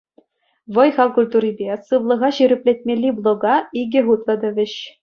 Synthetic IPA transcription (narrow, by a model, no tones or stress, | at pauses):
ʋɤ̆jχɑlkulʲt̪uɾʲibʲesɯʋlˠɤ̆ʁɑɕyɾʲɘ̆pʲlʲet̪̚ʲmʲelʲːiblˠŏɡɑiɡʲɘ̆ɦut̪lˠɤ̆d̪ɘ̆ʋʲɘ̆ɕ